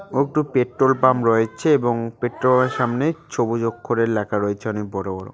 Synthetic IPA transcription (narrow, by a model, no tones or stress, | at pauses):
oek̚ʈupeʈɾolpamɾɔet͡ɕʰeeboŋpeʈɾolaɾʃamnet͡ɕʰobod͡ʑokʰːoɾeɾlɛkʰaɾɔet͡ɕʰeɔnek̚bɔɽobɔɽo̰